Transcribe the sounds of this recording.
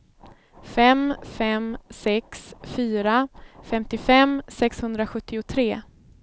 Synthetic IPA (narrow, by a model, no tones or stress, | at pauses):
fɛmfɛmsɛksfyːɾafɛmt̪ɪfɛmːsɛkshɵnd̪ɾaɧɵt̪ːɪʊt̪ʰɾeː